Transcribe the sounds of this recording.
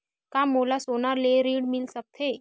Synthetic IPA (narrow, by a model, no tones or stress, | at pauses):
kamolasonaɾleɾiːɽmilsək̚t̪ʰe